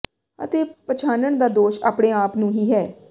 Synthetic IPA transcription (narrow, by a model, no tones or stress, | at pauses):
ə̰t̪eːpət͡ʃʰaːnəɳd̪aːd̪oːʃa̰ːpɽeːaːpnũːɦiːɦɛː